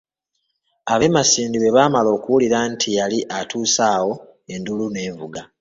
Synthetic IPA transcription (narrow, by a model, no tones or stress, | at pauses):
aβe̞masiːndiβe̞βaːmalo̞ːkuwuliɾantʰijaliʔatuːsaːwo̞ | e̞ndulune̞ːvuɡa